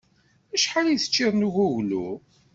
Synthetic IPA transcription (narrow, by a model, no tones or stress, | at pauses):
æʃħaliθə̥t͡ʃːɪðˤnuʝuʝlṵ